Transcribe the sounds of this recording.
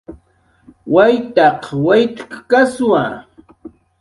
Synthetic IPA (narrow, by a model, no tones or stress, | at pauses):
wajt̪ɑqwajt̪kkaswa̰